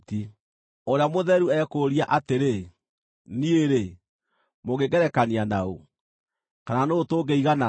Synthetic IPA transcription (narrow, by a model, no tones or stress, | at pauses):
ti | oɾeamoðɛɾuɛkoːɾiaʔateɾe | nieɾe | moɣeɡɛɾɛkanianao̰ | kananotoːɡeiɣana